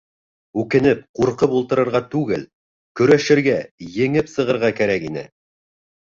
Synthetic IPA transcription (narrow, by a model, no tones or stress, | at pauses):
ʉkɘ̆nɘp̚quɾqɤpulˠt̪ɤ̆ɾɤ̆ɾʁɑt̪ʉɡɘl | kɵ̆ɾæʃɘ̆ɾɡæjɘ̆ŋɘpsɤ̆ʁɤ̆ɾʁɑkæɾækinɘ̰